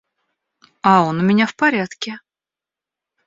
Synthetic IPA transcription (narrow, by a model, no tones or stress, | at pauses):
ao̞nʊmʲɪnʲafpɐɾʲat̪kʲɪ